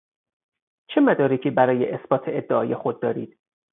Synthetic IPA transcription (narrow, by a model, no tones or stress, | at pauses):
t͡ʃʰe̞mæd̪ɒːɾecʰiːbæɾɒːjeʔesb̥ɒːt̪ʰeed̪ːeʔɒːjexod̪̚ːɒːɾḭːd̪̥